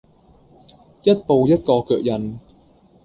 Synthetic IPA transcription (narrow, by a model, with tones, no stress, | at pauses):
jɐ˦˥t̚po˨˧wjɐ˦˥t̚kɔː˧kœː˨˩k̚jɐ˨˧n